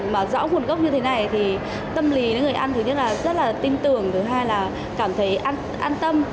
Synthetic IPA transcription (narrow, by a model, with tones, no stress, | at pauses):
maː˨˩zɔ̰ː˧˥ŋu˨˩ənkwk͡p̚ɲɨ˧t̪ʰe˨˦na˨˩jt̪ʰi˨˩ | t̪ə˧mli˨˦ə̰˨˦ŋɨ˨˩əjʔa˧nt̪ʰɨ˨˦ɲə˥t̚laː˨˩zə˦˥t̚laː˨˩t̪i˧mt̪ɨ˨˩əŋt̪ʰɨ˨˦ɦaː˧jlaː˨˩ | kaː˧˩mt̪ʰə˨˦jʔaː˧n | ʔaː˧nt̪ə˧m